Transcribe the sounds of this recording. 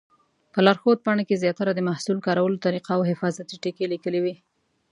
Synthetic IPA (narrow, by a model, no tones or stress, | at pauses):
pəlaɾxod̪̚pɑɳakezjɑt̪aɾad̪əmahsulkɑɾawəlot̪aɾiqaːwɦɪfɑzat̪iʈikelikəliwi